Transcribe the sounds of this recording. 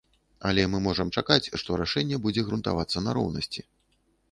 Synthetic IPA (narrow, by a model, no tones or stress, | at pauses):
ɐ̰lʲɛmɨmɔʐɐmt͡ʂakat͡sʲʂt̪ɔɾaʂɛnʲːɛbud͡zʲɛɣɾunt̪a̰vat̪sːɐnɐɾɔ̰wnɐsʲt͡sʲi